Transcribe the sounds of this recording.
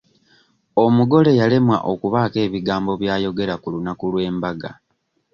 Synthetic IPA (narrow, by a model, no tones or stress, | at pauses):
o̞muɡo̞le̞jale̞mwa̰ʔokuβaːke̞ːβiɡaːmbo̞βjaːjo̞ɡe̞ɾakulunakulwe̞ːmbaɡa̰